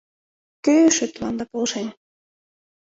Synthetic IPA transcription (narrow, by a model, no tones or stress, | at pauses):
køjøʃøt̪lɑnd̪ɑpolʃen